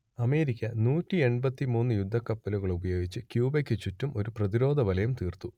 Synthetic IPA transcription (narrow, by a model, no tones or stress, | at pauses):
ɐme̞ːɾikʲːɐnuːtːie̞ɳbɐt̪ːimuːnːɨjud̪ʱːɐkːɐpːɐluɣɐɭubɐjo̞ːɡit͡ɕːɨkjuːbekʲːɨt͡ɕːutːumʔo̞ɾuprɐðiɾo̞ːd̪ʱɐʋɐlɐjumt̪iːrt̪ːu